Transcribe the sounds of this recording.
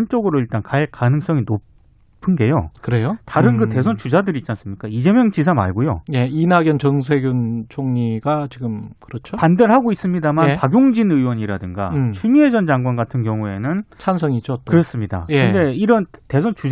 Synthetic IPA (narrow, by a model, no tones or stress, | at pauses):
nt͡ɕ͈oɡɯɾoiɭt͈ankaek͈anɯŋs͈ʌŋino | pʰɯnɡe̞jo̰kɯɾejotaɾɯnɡɯte̞s̬ʰʌnt͡ɕud͡ʑadɯɾitt͡ɕ͈ans͈ɯmɲik͈aid͡ʑe̞mjʌŋt͡ɕisʰama̰ɭɡojo̰jeinaɡjʌnt͡ɕʌŋs̬ʰeɡjunt͡ɕʰoŋɲiɡat͡ɕiɡɯmkɯɾʌt͡ɕʰopandeɭɦaɡois͈ɯmɲidamanpaɡjoŋd͡ʑinɯjwʌɲiɾadɯŋɡa̰t͡ɕʰumie̞d͡ʑʌnd͡ʑaŋɡwanɡatʰɯnɡjʌŋue̞nɯnt͡ɕʰans̬ʰʌŋid͡ʑokɯɾʌs͈ɯmɲida̰kɯde̞iɾʌnte̞sʰʌnt͡ɕu